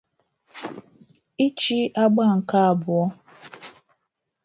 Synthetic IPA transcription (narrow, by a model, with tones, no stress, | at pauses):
i˦t͡ʃi˦ʔa˦ɡ͡ba˦˨ŋ̩˨ka˦a˨bʊ˨ɔ˦